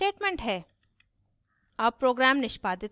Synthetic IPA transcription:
eːʈmẽɳʈɦɛː | ɐbpːɾoːɡɾæːmnɪʃbaːd̪ɪt̪

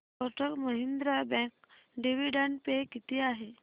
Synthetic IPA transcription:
ɔʈəkməɦind̪ɾabɛ̃k | ɖiʋiɖəɳʈpekit̪iːaɦe

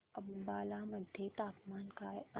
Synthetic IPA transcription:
ɐbbaːlamɐd̪ʱjet̪aːpmaːnkaɐ

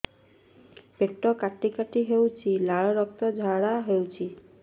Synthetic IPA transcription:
pek̚ʈɔkaʈːikaʈiɦewt͡ʃʰilaɭɔɾɔk̚t̪ɔd͡ʒʱaɽaɦewt͡ʃʰi

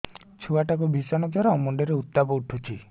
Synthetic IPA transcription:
t͡ʃʰuwaʈakubʱisɔnɔd͡ʒaɾɔɔmɔɳɖeɾeut̪ːabɔuʈʰut͡ʃʰi

